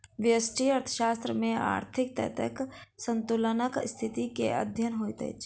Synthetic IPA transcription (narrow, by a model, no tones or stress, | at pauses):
ʋɪəsʈʰiəɾt̪ʰə̥ʃaːst̪ɾəmẽa̰ːɾt̪ʰɪkt̪ə̰t̪ə̰ksə̃nt̪ulənəkst̪ʰɪt̪ikḛə̰d̪ʱjənɦoːit̪ə̰ḭt͡ʃʰ